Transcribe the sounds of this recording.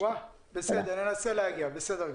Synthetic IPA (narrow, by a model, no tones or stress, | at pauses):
a | bɪsed̪ananaselaɡiabɪsɛda